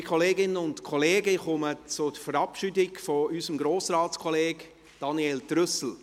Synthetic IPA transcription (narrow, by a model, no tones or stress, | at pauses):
kʰχɔleːɡɪnənʊntkʰɔleːɡəχʊmət͡sʊd̥əfəɾɑpʃydɪɡfɔysəmɡɾoːsɾɑːtt͡skʰɔleːɡ̥ | d̥ɑniɛːltɾʏsl̩